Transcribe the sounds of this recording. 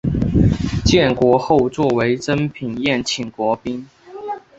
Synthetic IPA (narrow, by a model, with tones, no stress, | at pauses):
t͡ɕjɛ˥˩nkwɔ˧˥xo˥˧ʊt͡swɔ˥˩we˧˥ɪʈ͡ʂə˥npʰi˨˩ŋjɛ˥˩nt͡ɕʰi˨˩ŋkwɔ˧˥pi˥n